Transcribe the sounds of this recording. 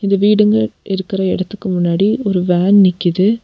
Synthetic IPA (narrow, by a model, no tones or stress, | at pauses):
ɪnd̪ɐʋiːɽɯŋɡɐɭʔɪɾɯkːɪɾɐɛɽɐt̪ːɯkːɯmʊnːaːɽiɔɾɯʋaːnnɪkːɪðɯ